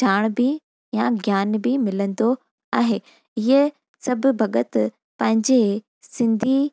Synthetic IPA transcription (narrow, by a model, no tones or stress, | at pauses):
d͡ʑʱaːɽ̃bɪ | jaɡjaːnbɪmɪlə̃n̆d̪o | aːɦeː | ɪɦə | sɐbʱʊbʱɐɡət̪ | pɐ̃ɦɪ̃ɲd͡ʑe | sɪ̃nd̪ʱi